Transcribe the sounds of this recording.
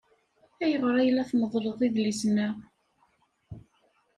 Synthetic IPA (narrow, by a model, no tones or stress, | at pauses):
æjəʁɾˤæjlːæθməðˤɾˤoðˤiðlisnə